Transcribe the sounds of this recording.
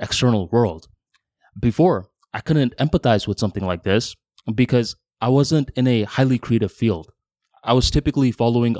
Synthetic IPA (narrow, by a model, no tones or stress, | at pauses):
ɨkstʰɜ˞nl̩ˠwɜ˞lˠd̥ | bɨfɔɹ | aɪkʰʊdⁿn̩tɛ̃mpəθaɪzwəð̥sʌ̃mθɪ̃ŋlaɪk̚ðɪs | b̥ɨkʰʌz | aɪwʌzɨ̃ntɨ̃nɨhaɪlˠikʰɹ̥ieɪɾɨv̥filˠd̥ | ʔaɪwʌz̥tʰɪpɨklifɑlˠoʊɪ̃ŋ